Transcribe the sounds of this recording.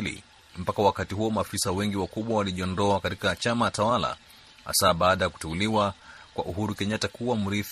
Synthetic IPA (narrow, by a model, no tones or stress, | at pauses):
lḭ | m̩pakawakatiɦuɔmaːfisawɛŋɡiwakuɓwawaliʄiɔndɔakatikat͡ʃamajtawala̰ | ha̰saɓaːɗajaku̥tɛuliwakwa̰ʔuhuɾukɛɲatakuwam̩ɾif